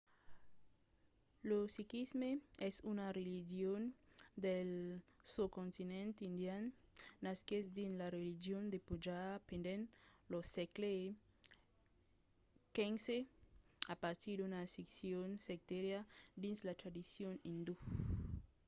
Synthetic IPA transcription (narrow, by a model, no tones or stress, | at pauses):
losikizmeesunarelid͡ʒjond̪elsukõnt̪inẽnt̪ind̪jannaskezd̪inlarelid͡ʒjond̪epud͡ʒapend̪enlosekle | kenseapaɾt̪iɾdunasiksjonsek̚t̪eɾjad̪inslat̪ɾad̪isjonind̪u